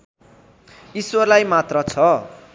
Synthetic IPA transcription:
iswʌrlajmat̪rʌt͡sʰʌ

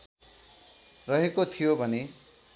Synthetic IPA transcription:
rʌɦekot̪ʰijobʱʌne

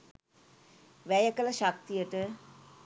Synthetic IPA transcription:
ʋæjəkələʃak̚t̪ijəʈə

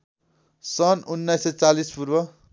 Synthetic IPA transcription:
sʌnunːʌjsʌt͡salispurwʌ

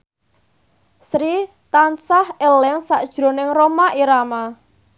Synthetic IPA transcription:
sɾi | t̪ansahelɛŋsaʔd̥ʒ̥ɾo̤nɪŋromaʔiɾama

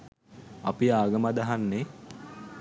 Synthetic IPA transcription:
apiaːɡəmad̪aɦanːe

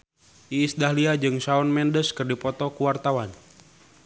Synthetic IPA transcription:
ʔiːsdahliad͡ʒɨŋsaɔnmɛndəskɨrdipɔt̪ɔkuwart̪awan

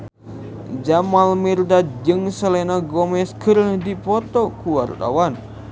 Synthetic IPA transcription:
d͡ʒamalmirdad͡ʒɨŋsəlɛnaɡɔmɛskərhdipɔt̪ɔkuwart̪a̰wan

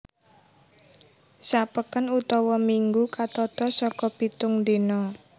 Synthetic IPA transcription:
sapəkənut̪ɔwɔmiŋɡukat̪ɔt̪ɔsɔkɔpit̪ʊŋnd̪enɔ

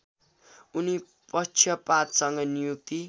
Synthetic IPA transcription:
uni | pʌt͡sʰjʌpat̪sʌŋɡʌnijuk̚t̪i

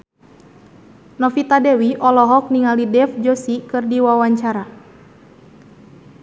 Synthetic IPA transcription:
nɔfit̪adɛwiʔɔlɔɦɔk̚niŋalidɛfd͡ʒɔsikɨrdiwawaɲt͡ʃaɾa

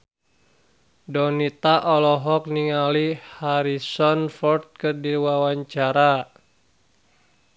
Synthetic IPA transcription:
dɔnit̪aʔɔlɔɦɔk̚niŋalihaɾisɔnfɔrt̪̚kɨrdiwawaɲt͡ʃaɾa

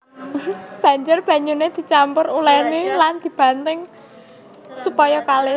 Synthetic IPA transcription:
b̥ä̤ɲd͡ʒʊrb̥ä̤ɲuned̪̥i̤t͡ʃampʊrulɛniland̪̥i̤b̥ä̤nt̪ɪŋ | supɔjɔkalɪ

